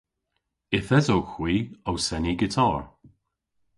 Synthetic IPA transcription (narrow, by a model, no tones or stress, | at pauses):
ɪθɛzowxwiːowsɛniɡɪtʰɔːɹ